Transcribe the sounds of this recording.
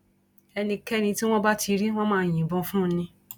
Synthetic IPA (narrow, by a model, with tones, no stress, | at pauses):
ɛ˧nĩ˧kɛ˦nĩ˧ti˦w̃ɔ̃˦ba˦tʰi˧ɾi˦w̃ɔ̃˦mãː˦˨jĩ˨bɔ̃˧fũ˦nĩ˧